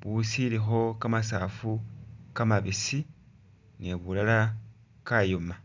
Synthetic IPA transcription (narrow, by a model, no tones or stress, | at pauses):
βusilixo̞kamasafukamaβisi | neβulala | kajoma